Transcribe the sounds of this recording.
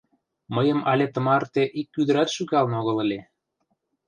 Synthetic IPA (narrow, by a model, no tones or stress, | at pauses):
məjəmɑlʲet̪ə̆mɑrt̪eʔikːyd̪əɾɑt̪ʃykɑlnoɣə̆ləlʲe